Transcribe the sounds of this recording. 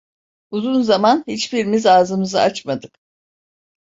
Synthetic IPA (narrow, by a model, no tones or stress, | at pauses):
uzunzamanhit͡ʃbiɾmizaːzɯmɯzɯat͡ʃmad̪ɯk